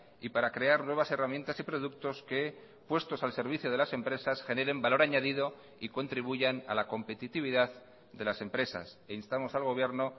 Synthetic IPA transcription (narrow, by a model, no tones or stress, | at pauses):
ipaɾakɾe̞aɾnwe̞β̞ase̞ramje̞nt̪asipɾo̞ð̞uk̚t̪o̞ske̞ | pwe̞st̪o̞salse̞ɾβ̞iθjoð̞e̞lase̞mpɾe̞sasxe̞ne̞ɾe̞mbalo̞ɾaɲaðiðo̞ | iko̞nt̪ɾiβ̞uʝana̰lako̞mpe̞t̪it̪iβ̞iðað | d̪e̞lase̞mpɾe̞sa̰seinst̪amo̞salɣ̞o̞β̞je̞ɾno